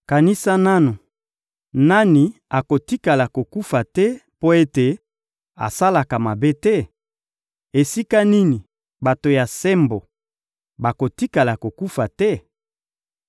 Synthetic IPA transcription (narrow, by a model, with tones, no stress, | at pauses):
ka˨ni˦sa˦na˦no˨ | na˦ni˨a˨ko˨ti˦ka˨la˨ko˨ku˦fa˨tɛ˦po˦e˦te˨ | a̰˨sa˦la˨ka˨ma˨be˦tɛ˦ | e˨si˦ka˦ni˦ni˨ | ba˨to˨ja˨sɛ˦mbo˨ | ba˨ko˨ti˦ka˨la˨ko˨ku˦fa˨tɛ˦